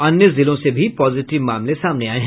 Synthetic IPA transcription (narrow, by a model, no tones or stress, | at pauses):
ɐnjəzɪlõsebʱipɔːzɪʈɪʋmaːmlẽsaːmneaːeɦɛ̃